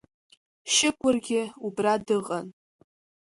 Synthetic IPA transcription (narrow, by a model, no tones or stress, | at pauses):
ʃɪkʷʰʼʊrɡʲɪubradɨʁʼan